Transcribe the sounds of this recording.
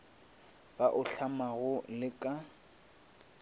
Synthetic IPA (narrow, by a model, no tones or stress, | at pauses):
b̥aʔʊɬamaɣʊlɪkʼa